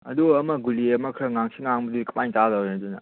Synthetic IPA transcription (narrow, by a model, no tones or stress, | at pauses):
ɐ̰duɐmɐɡuliɐmɐkʰɾɐŋaŋsʰiŋaŋbudikpajŋtadawdunɐ̰